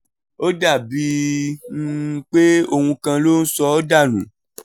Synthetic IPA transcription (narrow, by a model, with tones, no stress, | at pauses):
o˦da˦˨bi˧˦ | k͡pe˦o˧hũ˧kã˧lo˦n̩˦sɔ˧o˦da˦˨nṵ̃˨˦